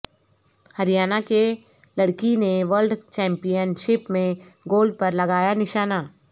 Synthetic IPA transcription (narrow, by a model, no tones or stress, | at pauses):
hɐɾijaːnake | lɐɽkineʋəɾlɖt͡ʃɛ̃ːmpijənʃɪpmẽ | ɡoːlɖ̚pɐɾlɐɡaːjanɪʃaːnaː